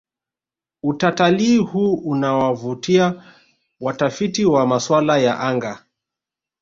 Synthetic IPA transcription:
utatalihuːunawavutia | watafitiwamaswalaja̰ʔaŋɡa

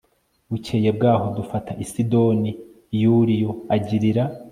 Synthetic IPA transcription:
βucʰeje̞b̚ɡaːho̞dufatʰaʔisido̞ni | juɾijo̞aɟiɾiɾa

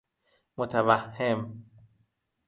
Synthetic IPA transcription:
mot̪ʰavahːem

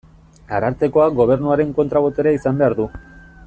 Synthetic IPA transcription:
aɾaɾt̪e̞ko̞aɡo̞β̞e̞ɾnuaɾe̞ŋko̞nt̪ɾaβo̞t̪e̞ɾaisambe̞aɾðu

